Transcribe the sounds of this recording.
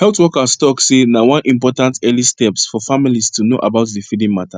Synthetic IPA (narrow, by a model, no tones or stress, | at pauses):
hɛltwɔkastɔksenawãnʔĩmpɔtãntɛlistɛpsfɔfamilistuno̰ʔabaʊtdifidĩŋmata